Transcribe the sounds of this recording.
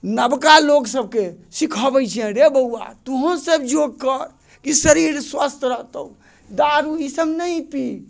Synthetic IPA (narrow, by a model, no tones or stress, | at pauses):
nəbkaloksəb̚kesikʰəbɛjt͡ʃʰiɛ̃ɾebəua̰t̪uɦə̃səbd͡ʒoɡ̚kəɾ | kisəɾiɾswəst̪ʰɾəɦt̪ə̰u | d̪aɾuisəmnəjpi